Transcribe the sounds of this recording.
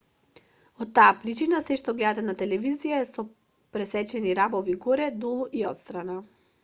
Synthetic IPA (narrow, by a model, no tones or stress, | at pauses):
ot̪ːaːpɾit͡ʃinasɛʃt̪oɡlɛd̪at̪ɛnat̪ɛlɛvizijaɛsɔ | pɾɛsɛt͡ʃɛniɾabɔviɡoɾɛd̪olˠuʔiɔt̪st̪ɾana